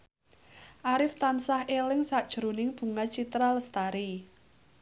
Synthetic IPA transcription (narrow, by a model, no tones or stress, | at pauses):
ʔaɾɪft̪ansahelɪŋsaʔd̥ʒ̥ɾonɪŋb̥ṳŋat͡ʃit̪ɾaləst̪aɾi